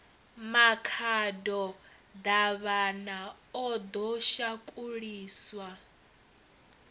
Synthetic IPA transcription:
makʰadɔ | d̪aβana | ɔd̪ɔʃakʼuɺiːswa

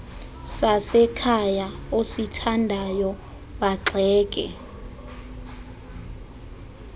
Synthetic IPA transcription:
sasɛkʰajaositʰandʱajɔ | ɓaǁʱɛːk̬ʼɛ̰

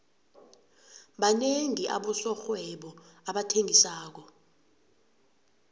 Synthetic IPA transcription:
ɓaneŋiʔa̰ɓɔsɔxwɛɓɔaɓatʰeŋisaːk̬ɔ

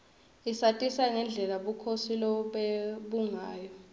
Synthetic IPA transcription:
isatʼisaŋɛnd͡ɮʱɛlaɓukʰosilɔɓeɓuŋaːjɔ

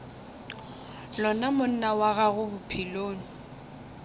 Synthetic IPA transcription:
lɔnamʊn̩nawaɣaɣʊbʊpʰiloːn̩

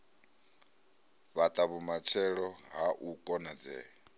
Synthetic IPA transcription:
βat̪ʼaβumat͡ʃʰɛɺɔɦaʔukʼɔnad͡zɛː

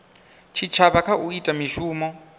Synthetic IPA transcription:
t͡ʃʰit͡ʃʰaβakʰaʔuitʼamiʃuːmɔ

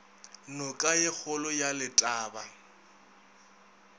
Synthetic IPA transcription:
nɔkʼajɪk͡xʰʊlɔjalɪtʼaːba

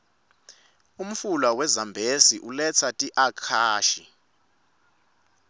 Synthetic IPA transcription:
um̩fulwawɛzambʱesiʔulɛt͡sʰatʼiʔakʰaːʃi

